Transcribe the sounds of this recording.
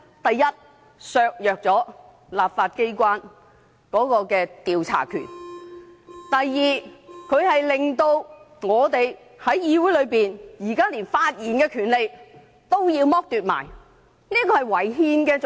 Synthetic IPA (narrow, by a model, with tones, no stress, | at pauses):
t̪ɐ˨jːɐ˥t̚ | sœː˨˧k̚jœː˨k̚t͡sɔː˨˥ | laː˨p̚faː˧t̚ke˥jkʷaː˥n | kɔː˨˥kɔː˧kɛː˧t̪iː˨wt͡sʰa̰ː˨˩kʰy̰ː˨˩n | t̪ɐ˨jːiː˨kʰɵ˨˧ɥhɐ˨jlɪ˨ŋt̪o˧w | ŋɔː˨˧t̪e˨j | hɐ˨˥jjiː˧wu˨˥jlɵ˨˧ɥpiː˨njiː˨˩kaː˥liː˨˩nfaː˧t̚jiː˨˩nkɛː˧kʰyː˨˩nle˨j | t̪o˥wjiː˧wmɔː˥k̚t̪yː˨t̚ma̰ː˨˩j | niː˥kɔː˧hɐ˨jwɐ˨˩jɦiː˧nkɛː˧